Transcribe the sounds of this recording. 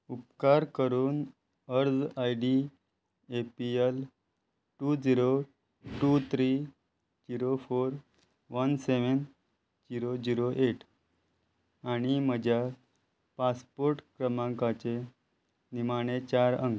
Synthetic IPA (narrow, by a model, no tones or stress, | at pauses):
up̚kaɾkəɾuːn | əɾd͡zajɖi | epiel | ʈud͡ziɾo | ʈut̪ʰɾiː | d͡ʑiɾofoɾ | ʋənseʋən | d͡ʑiɾod͡ʑiɾoʔeʈʰ | aɽ̃iməd͡ʑʱja | paspoɾʈkɾəmãŋkat͡se | nimaɽ̃et͡ɕaɾə̰ŋɡ